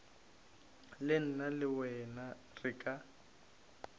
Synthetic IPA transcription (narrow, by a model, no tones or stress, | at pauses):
lɪn̩nalɪwɛna | rɪkʼa